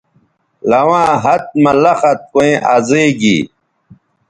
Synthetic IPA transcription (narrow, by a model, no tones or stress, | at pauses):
lɐwãːɦɐt̪̚mɐlɐxɐt̪̚koẽʔɐzeːɡḭ